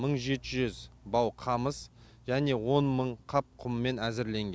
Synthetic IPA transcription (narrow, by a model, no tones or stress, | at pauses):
məɴʒe̞t̪ɪʒʏzbɑwqʰɑməs | ʒ̥æne̞wo̞nməɴqʰɑp̚qʰʊmːe̞næzɪɾle̞ŋɡʲe